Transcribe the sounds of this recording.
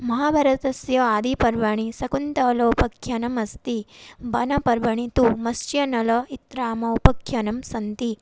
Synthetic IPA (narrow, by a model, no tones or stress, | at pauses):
mɐɦaːbʱɐɾɐt̪ɐsjɐaːd̪ipɐɾʋɐɳisɐkunt̪ɐloːpɐkʰjɐnɐmɐst̪ibʱɐnɐpɐɾʋɐɳit̪umɐst͡ʃjɐnɐlɐit̪ɾaːmɐupɐkʰjɐnɐmsɐnt̪i